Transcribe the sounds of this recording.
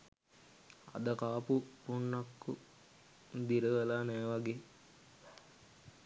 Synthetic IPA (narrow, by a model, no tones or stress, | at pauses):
a̰d̪əkaːpupuɳːakːu | d̪iɾəʋəlaːnæːʋaɡeː